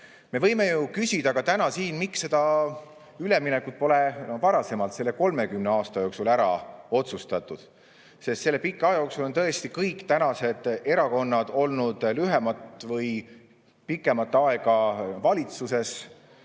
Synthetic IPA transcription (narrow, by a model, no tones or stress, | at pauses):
me̞vɤjme̞jukysʲid̪̥ɑɡ̥ɑt̪ænɑsiːnmiksːe̞d̪̥ɑ | yleminekːˑut̪̚po̞levɑɾɑse̞mɑlt̪se̞lːeko̞lme̞kymneɑːst̪ɑjo̞ːksulæɾɑ̰o̞t̪sust̪ɑt̪ːˑud̪̥ | se̞st̪selːe̞pikːˑeɑjɑjo̞ksulo̞nt̪ɤ̞e̞st̪ikɤjkːt̪ænɑse̞d̪̥e̞ɾɑko̞nːɑd̪̥o̞lnud̪̥lyɦemɑt̪ːˑvɤj | pikːˑe̞mɑt̪ːˑɑe̞ɡ̥ɑvɑlʲit̪suse̞s